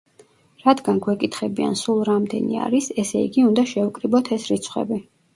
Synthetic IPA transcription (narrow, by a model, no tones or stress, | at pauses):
ɾad̪ɡanɡwɛkʼit̪ʰχɛbia̰nsulˠɾamd̪ɛ̰nḭa̰ɾisɛsɛḭɡiund̪aʃɛukʼɾibɔt̪ʰɛsɾit̪sʰχwɛ̰bi